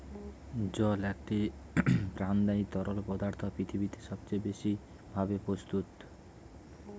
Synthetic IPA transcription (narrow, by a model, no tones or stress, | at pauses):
d͡ʑɔlek̚ʈi | pɾand̪ait̪ɔɾolpɔd̪aɾt̪ʰopɾit̪ʰibit̪eʃɔbt͡ɕajbeʃi | bʱabepɾost̪ut̪